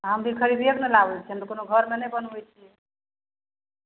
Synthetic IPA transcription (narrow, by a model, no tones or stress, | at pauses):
ɦəmd̪ikʰəɾib̪ieknəlaʋɛlt͡ʃʰɛəmt̪konoɡʱəɾmenəjbənʋɛt͡ʃʰiɛ